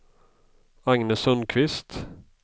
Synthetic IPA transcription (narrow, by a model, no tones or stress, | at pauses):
aŋnəsœnkʰvɪst̪